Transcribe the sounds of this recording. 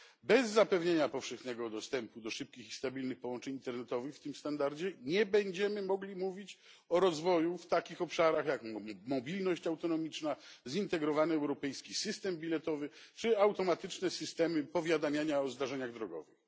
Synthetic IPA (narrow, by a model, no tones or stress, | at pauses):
bɛzːapɛvɲeɲapɔfʂɛxnɛɡɔd̪ɔst̪ɛmpud̪ɔʂɘp̚kʲixist̪abʲilnɘxpɔwɔnt͡ʂɛɲint̪ɛɾnɛt̪ɔvɘxft̪ɘmst̪and̪aɾd͡ʑɛɲɛbɛɲd͡ʑɛmɘmɔɡlʲimuvʲit͡ɕ | ɔɾɔzvɔjuft̪akʲixɔpʂaɾaxjakmɔbʲilnɔɕt͡ɕawt̪ɔnɔmʲit͡ʂnazint̪ɛɡɾɔvanɘɛwɾɔpɛjskʲisɘst̪ɛmbʲilɛt̪ɔvɘt͡ʂɘawt̪ɔmat̪ɘt͡ʂnɛsɘst̪ɛmɘpɔvʲjad̪amʲjaɲaɔzd̪aʐɛɲaɣd̪ɾɔɡɔ̰vɨx